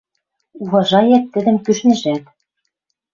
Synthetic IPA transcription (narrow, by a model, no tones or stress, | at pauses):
uβɑʒɑjæt̪ːɘ̆d̪ɘ̆mkyʃnɘ̆ʒæt̪